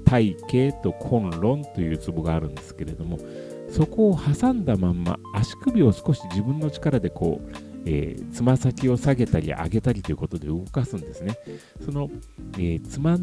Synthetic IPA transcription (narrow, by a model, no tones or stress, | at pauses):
t̪aike̞ːt̪o̞kʰõ̞nɾõ̞nt̪o̞jɯ̟ːt͡sɨbo̞ɡaːɾɯ̟̃nd̪e̞̥sɨ̥ke̞ɾe̞d̪o̞mo̞ | so̞ko̞ːhasãnd̪amãmːa̰ːɕi̥kɯ̟bʲio̞sɨ̥ko̞ɕiʑibɯ̟̃nːo̞t͡ɕi̥kaɾad̪e̞kʰo̞̰ːḛːt͡sɨmasakʲio̞saɡe̞t̪aɾʲḭʔa̰ɡe̞t̪aɾʲit̪o̞jiɯ̟ko̞t̪o̞d̪eɯ̟ɡo̞kasɨ̃nd̪e̞sɨne̞ | so̞no̞eːt͡sɨma